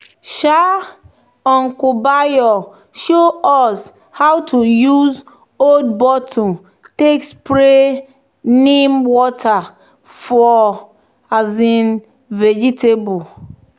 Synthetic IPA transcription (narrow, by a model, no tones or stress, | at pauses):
ʃa | ɔ̃ŋkubajɔ | ʃoɔs | hawtujuz | od̚bɔtʰɔ | tekspɾe | nimwɔtʰa | fɔ | azin | ved͡ʒitʰebʊ